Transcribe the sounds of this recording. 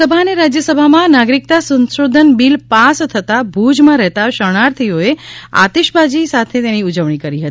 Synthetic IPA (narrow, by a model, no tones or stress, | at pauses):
səbʱaneɾad͡ʒjəsəbʱamãnaɡɾik̚t̪asə̃nʃod̪ʱənbilpast̪ʰət̪abʱud͡ʒmãɾɛɦt̪aʃəɽ̃aɾt̪ʰioea̰t̪eʃbʱad͡ʒisat̪ʰet̪eniud͡ʒəʋɳ̃ikəɾiɦət̪i